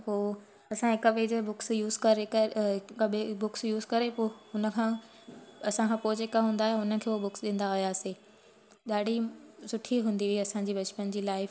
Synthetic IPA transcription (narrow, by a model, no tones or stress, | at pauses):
poː | ɐsãɦɪkəʋed͡ʑebʊksjuːzkɐɾeɐəɓebʊksjuːzkɐɾepoːɦʊnə̆kʰãː | ɐsãkʰãːpoːɪd͡ʑeːkaɦũːnd̪aːɦeɦʊnə̆kʰeːobʊksɗɪ̃n̆d̪aɦijaːseː | ɗaːɽ̤ʱisʊʈʰiɦũːnd̪iʋiɐsãd͡ʑiːʋɐt͡ɕpənd͡ʑiːlaːɪf